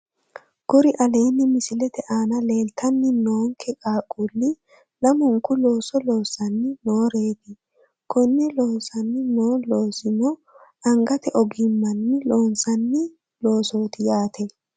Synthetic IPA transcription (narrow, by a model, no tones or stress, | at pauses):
ɡ̥ɔɾɪʔɐle̞ːnːɪmɪsɪlɛt̪ɛʔaːnɐleːlt̪ʰːɐnːɪnoːŋkʰɛkʼaːkʼuːlːɪ | lɐmɔŋkːʊlo̞ːsɔlo̞ːsɐnːɪnoːɾeːd̪ɪ | kʰɔnːɛloːnsɐnːɪnoːlo̞ːsɪnɔ | ʔɐŋɡɐt̪ɛʔɔɡɪmːɐnːɪlo̞ːnsɐnːɪ | lo̞ːsoːt̪ɪjaːt̪ʰɛ